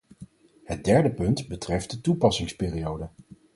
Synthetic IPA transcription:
ɦət̚dɛɹdəpɵntbətrɛft̚dətupɑsɪŋspɪːrijowdə

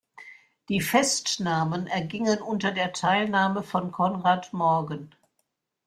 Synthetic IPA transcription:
d̥iːfɛstnaːmənɛɐɡɪŋənʔʊntɐdeːɐtʰaɪlnaːməfɔnkʰɔnʁaːtmɔɐɡən

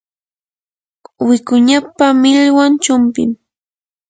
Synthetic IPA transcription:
wɪkʊɲapamɪʎwant͡ʃʊmpɪ̰m

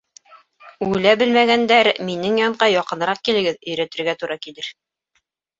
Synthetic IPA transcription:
ulæbɘlmæɡænd̪æɾminɘŋjɒɴɢɑjɒqɤ̆nɾɑq̚kilɘ̆ɡɘðɵ̆jɾæt̪ɘ̆ɾɡæt̪uɾɑkilɘɾ

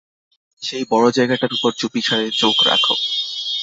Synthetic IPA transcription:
ʃejbɔɽod͡ʑaeɡaʈaɾupoɾd͡ʑupiʃʰaɾeɾt͡ɕokɾa̰kʰo̰

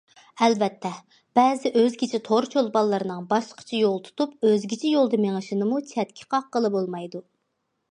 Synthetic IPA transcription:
ɛlvɛt̪ʰːɛ | b̥ɛzɪʔøzɡʲit͡ʃʰɪt̪ʰoɾt͡ʃʰolˠbɑlˠːɨɾɨnɨŋbɑʃqə̥t͡ʃʰɑjolˠt̪ʰu̥t̪upøzɡʲit͡ʃʰɪjolˠd̪ɨmeŋɨʃɪnɨmut͡ʃʰɛt̪̚kʲʰi̥qʰɑqːəlˠɨbolˠmɑjd̪u

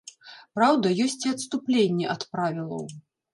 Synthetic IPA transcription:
pɾawd̪ɐjɔsʲt͡sʲiɐt̪st̪uplʲenʲːɛʔɐt̪pɾavʲilˠɐ̰w

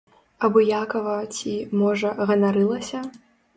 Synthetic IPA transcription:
ɐbɔjakɐvɐt͡sʲimɔʐɐɣɐnaɾɨlˠɐsʲɐ

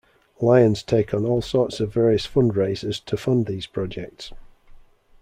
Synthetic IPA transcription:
laɪə̃nz̥tʰeɪkʰn̩ɔːlˠsɔˑtsəvɛːɹiəsfʊ̃ndɹeɪzɪz̥tʰəfʌ̃nðiːz̥pʰɹ̥ɒd͡ʒɛk̚ts

